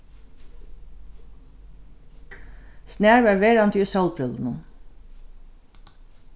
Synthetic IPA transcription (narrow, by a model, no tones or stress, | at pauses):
snæːɹʋæːɹʋeːɾɑnt̪ʰysɑlpʰɾœln̩un